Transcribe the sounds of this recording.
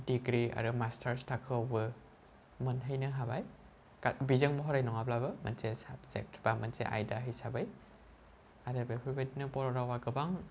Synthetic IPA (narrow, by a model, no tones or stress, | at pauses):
diɡɾia̰ɾɯmastʰaɾstʰakʰɯawbɯ | mɯnɦɯjnɯɦabaj | kabizɯŋmɔɦɔɾajnɔŋablabɯma̰nsesa̰b̚zḛk̚tʰb̥amansḛʔa̰jdaɦɯjsabaj | aɾɯbepʰibednɯbɔɾɔɾawaɡɯbaŋ